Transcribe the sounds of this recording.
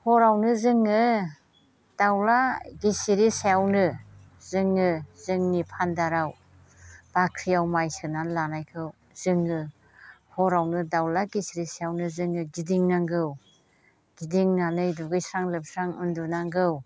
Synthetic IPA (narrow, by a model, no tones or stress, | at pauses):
hɔɾawnɯzɯŋɯ | d̥awlaɡisiɾisejawnɯ | zɯŋːɯzɯŋnipʰandaɾaw | b̥akʰɾijawmajsɯnanlanajkʰɯw | z̥ɯŋɯ | hɔɾawnɯdawlaɡisiɾisjawnɯzɯŋɯɡidiŋnaŋɡɯw | ɡ̥idiŋnanɯjduɡɯjsɾaŋlɯp̚sɾaŋṵndunaŋɡɯw